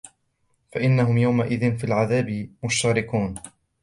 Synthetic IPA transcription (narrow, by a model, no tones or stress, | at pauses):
faʔɪnːaɦʊmjawmaʔɪðɪnfiːlʕaðaːbɪmʊʃt̪aːɾɪkuːn